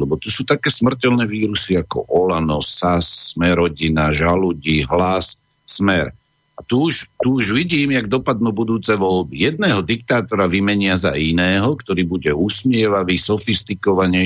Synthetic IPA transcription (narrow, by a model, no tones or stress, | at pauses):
lɛbɔt̪usuːt̪akɛːsmr̩cɛlnɛːʋiːɾusiakɔ̰ʔɔlanɔsasːmɛɾɔɟinaʒaluɟiɦlas | smɛɾ | at̪uuʃt̪uuʒʋiɟiːmjaɡd̪ɔpad̪nuːbud̪uːt͡sɛʋɔlbijɛd̪̚nɛːɦɔd̪ik̚t̪aːt̪ɔɾaʋimɛɲɪaza̰inɛːɦɔkt̪ɔɾiːbuɟɛusmɪɛʋaʋisɔfist̪ikɔʋaɲɛ